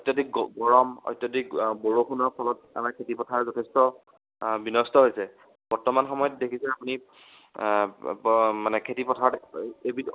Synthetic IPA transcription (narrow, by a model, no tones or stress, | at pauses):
ɔjtːɔdik̚ɡɔɹɔmɔ̰jtːjɔdikboɹoxunɔɹpʰɔlɔt | a̰maɹkʰetipɔtʰaɹzɔtʰɛstɔ | binɔstɔɦojsɛ | b̥ɔɹtɔmanxɔmɔjɔtdekʰisɛapuni | manɛkʰetipɔtʰaɹɔtebi